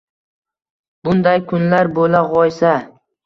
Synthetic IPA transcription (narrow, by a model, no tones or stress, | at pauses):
bʊnd̪ajkʰʊnlaɾbolaʁɒjsa